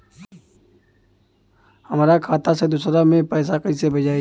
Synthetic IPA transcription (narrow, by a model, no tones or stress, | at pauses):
hɐmɾakʰaːt̪ased̪ʊsɾamẽpɛːsakɐisebɐd͡ʒaːi